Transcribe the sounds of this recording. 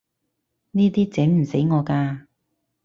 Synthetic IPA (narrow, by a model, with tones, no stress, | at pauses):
niː˥t̪iː˥t͡sɛ˨˥ŋm̩˨˩se˨˥jŋɔː˨˧kaː˧